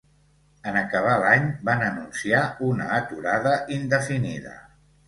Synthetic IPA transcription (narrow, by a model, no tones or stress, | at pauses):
ənəkəβ̞alaɲbanənunsiaunə̰ːt̪uɾaðəʔind̪əfiniðə̰